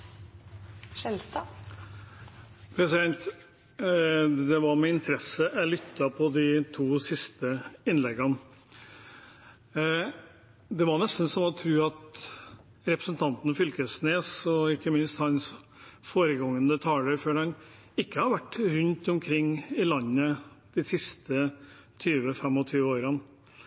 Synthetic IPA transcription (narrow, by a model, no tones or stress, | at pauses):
ʂɛlsɑ | pʰɾɛsɪd̪ɛnt̪ | d̪ɛʋɑɾmɛɪnt̪ʰəɾɛsːəʔæɪlʏt̪ːɑpʰɔd̪ɪt̪ʰuːsɪst̪əɪnlɛɡən | d̪ɛʋɑɳɛst̪n̩sɔmɔt̪ʰɾʉːɑt̪ | ɾɛpɾəsn̩t̪ʰɑnt̪ənəfʏlt̪əsneːsɔɪkːəmɪnst̪hɑns | foːɾəɡɑŋːənət̪ʰɑːləɾføːɖɑn | ɪkːəhɑɾʋæʈːɾʉnt̪ɔmkʰɾɪŋːɪlɑnːəd̪̥ɪsɪst̪ə | t̪ʰyːʋəfɛmːɔt̪ʰyːʋəoːɾən